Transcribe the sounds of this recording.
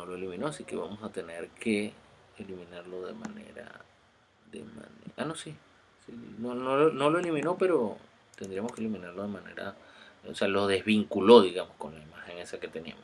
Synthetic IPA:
no̞lo̞elimĩno̞asike̞βamo̞sat̪e̞ne̞ɾke̞ː | limĩnaɾlo̞ðe̞ma̰nḛɾa̰ | ðḛma̰neanosi | sinonolono̞loe̞limĩno̞pe̞ɾo̞ | t̪e̞nd̪ɾiamo̞skelimĩnaɾlo̞ð̞e̞mane̞̰ɾa̰o̰sealo̞ðe̞zβiŋkulo̞ðiɣamosko̞nlaimaxe̞ŋe̞sake̞t̪e̞nia̰moss

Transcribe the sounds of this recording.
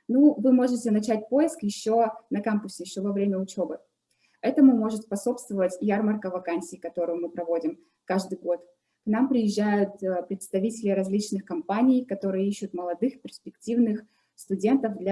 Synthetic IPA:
nuvɨmo̞ʐɨtʲɪnɐt͡ɕæt̚ʲpo̞jɪskjɪɕːo̞nɐkamkʊsʲɪjɪɕːovɐvɾʲemʲəʊt͡ɕobɨ | ɛt̪əmʊmo̞ʐɨt̪spɐso̞pst̪vəvətʲjarmərkəvɐkanʲsʲɪːkɐt̪o̞ɾʊjʊmɨpɾɐvo̞dʲɪm | kaʐd̪ɨjɡo̞t̪ | knampɾʲɪjɪʑːæjʊt̪̚pɾʲɪt̪st̪ɐvʲitʲɪlʲɪɾɐzʲlʲit͡ɕnɨxkɐmpanʲɪjkɐt̪o̞ɾɨjəiɕːʊt̪məlˠɐd̪ɨxpʲɪrsʲpʲɪktʲivnɨx | st̪ʊdʲe̞nt̪əvd̪lʲɐ

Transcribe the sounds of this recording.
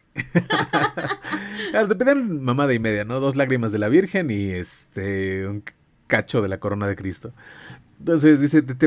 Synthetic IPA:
klaɾoðepeðianmãmaðaime̞ðjano̞ðo̞z̬laɣɾimazðe̞laβiɾxe̞nie̞st̪euŋ | kat͡ʃo̞ðe̞lako̞ɾo̞nað̞e̞kɾist̪o̞ent̪o̞ns̬e̞zðise̞t̪̬et̪̬e

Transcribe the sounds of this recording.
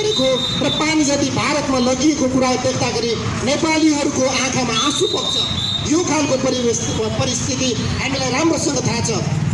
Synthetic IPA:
ɾeko | rʌpanid͡zʌt̪ibʱaɾʌt̪malʌɡiekokuɾaɦobekʰt̪aɡʌɾi | nepaliɦʌɾukoãkʰamaasupʌk̚t͡sʰʌ | jokʰalkopʌɾi | pʌɾist̪ʰit̪i | ɦamilajɾamrosʌŋɡʌt̪ʰat͡sʰʌ

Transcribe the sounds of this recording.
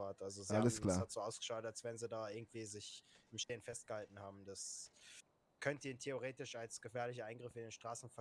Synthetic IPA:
aːɐtʔalzoziːhaaləsamlsːhatz̥oːaʊsɡ̥ə̥ʃaːtalsv̥ɛnziːdaːɪɐɡŋ̩tv̥iːzɪçɪmʃteːənfɛst̚ɡ̥əhaltn̩haːbm̩das | kʰœntəiːntʰeoʁ̞eːtɪʃalsɡ̥əfɛːɐlɪç̬ɐʔaɪnɡʁɪfɪndeːnʃtʁ̥aːsn̩fɛɐ

